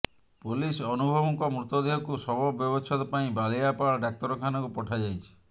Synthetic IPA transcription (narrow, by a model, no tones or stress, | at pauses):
pulisɔnubʱɔbɔkɔmɾut̪ɔd̪eɦɔkusɔbɔbjɔbɔt͡ʃʰɔt̪ɔpaĩbalijapaɭɖak̚t̪ɔɾɔkʰanɔkupɔʈʰad͡ʒajt͡ʃʰi̥